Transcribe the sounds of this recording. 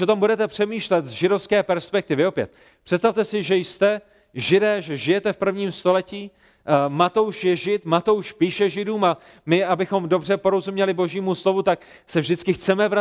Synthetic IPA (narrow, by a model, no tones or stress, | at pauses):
ot̪ombudɛt̪ɛpr̥ɛmiːʃlɛt̪zʒɪdo̞fskɛːpɛɾspɛk̚t̪ɪvɪo̞pjɛ̰t̪̚ | pr̥ɛt̪st̪aft̪ɛsɪʒɛjst̪ɛ | ʒɪdɛːʒɛʒɪjɛt̪ɛfpr̩vɲiːmst̪o̞lɛciː | mat̪owʃjɛʒɪt̪mat̪owʃpiːʃɛʒɪduːma | mɪabɪxo̞mdo̞brɛpo̞ɾo̞zumɲɛlɪbo̞ʒiːmuslo̞vut̪ak | sɛvʒdɪt͡skɪxt͡sɛmɛvɾa